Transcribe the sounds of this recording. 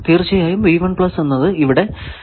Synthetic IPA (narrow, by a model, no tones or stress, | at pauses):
t̪iːrt͡ɕːɐjaːjumʋiːʋɐɳpɭɐsenːɐðɨiʋiɽe̞